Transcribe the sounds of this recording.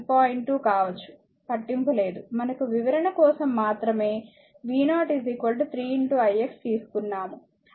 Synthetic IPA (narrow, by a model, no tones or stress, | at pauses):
paːjiɳʈuːkaːʋɐt͡ʃːu̥ | pɐʈːimpule̞ːd̪umɐnɐkuʋiʋɐɾɐɳɐkɔːsɐmːaːt̪ɾɐme̞ː | ʋiːnaːʈizikʋɐlʈ̬ut̪ʰɾiːiɳʈuːɐjekst̪iːsu̥kunːaːmu